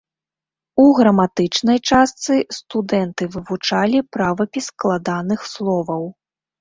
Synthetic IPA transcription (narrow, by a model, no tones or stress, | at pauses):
uɣɾɐmat̪ɨt͡ʂnɐjt͡ʂast̪sɨst̪ud̪ɛnt̪ɨvɨvut͡ʂalʲipɾavɐpʲisklˠad̪anɨxslˠɔvɐw